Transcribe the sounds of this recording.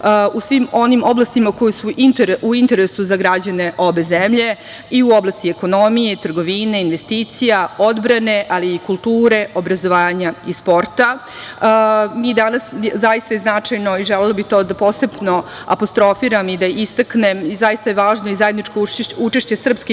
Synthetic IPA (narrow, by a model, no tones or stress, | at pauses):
usʋimo̞nimo̞blˠast̪imako̞jesuʔint̪eɾuint̪e̞ɾesuzaɡɾad͡ʑane̞ʔo̞be̞zemʎe̞ | iuoblˠast̪ieko̞no̞mijet̪r̩ɡo̞ʋiːneinʋest̪iːt̪sijao̞d̪bɾane̞ʔaliːkulˠt̪uːɾe̞ʔo̞bɾazo̞ʋaːɲaispo̞ɾt̪a | miːd̪anaszajist̪ajeznat͡ʂajnoiʒelelobit̪o̞ːd̪apo̞sebno̞a̰post̪ɾo̞fiɾamid̪aʔist̪aknemizajist̪ajeʋaːʒnoizaje̞d̪nit͡ʃkout͡ʃe̞ʃt͡ɕe̞sr̩pske